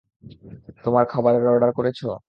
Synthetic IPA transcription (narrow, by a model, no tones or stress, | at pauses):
t̪omaɾkʰɔboɾeɾɔɖaɾkoɾet͡ɕʰo